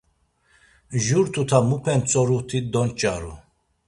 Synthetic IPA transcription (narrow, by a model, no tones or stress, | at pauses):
ʒuɾt̪ʰut̪ʰamupʰɛnt͡sʼɔɾut̪ʰid̪ɔnt͡ʃʼa̰ɾṵ